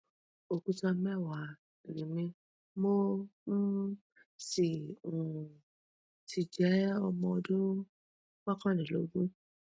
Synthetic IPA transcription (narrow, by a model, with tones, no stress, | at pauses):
o˧ku˧tã˧mɛ˦˨wa˨ | ɾi˨mĩ˧ | mo˦ | si˨ũ˨ | tʰi˧d͡ʒɛ˨˦ɔ˧mɔ̃˧o˧dũ˦ | wa˦kã˦˨nĩ˨lo̰˨˦ɡũ˦